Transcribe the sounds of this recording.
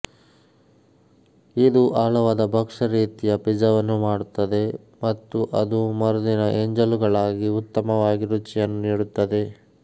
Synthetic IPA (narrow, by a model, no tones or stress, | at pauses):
id̪uʔaːɭɐʋaːd̪ɐbʱɐkʂɐɾiːt̪ijɐpid͡ʒɐʋɐnːumaːɽut̪ːɐd̪e̞ | mɐt̪ːuʔɐd̪umɐɾud̪inɐʔeɲd͡ʒɐluɡɐɭaːɡiut̪ːɐmɐʋaːɡiɾut͡ʃijɐnːuniːɽut̪ːɐd̪e̞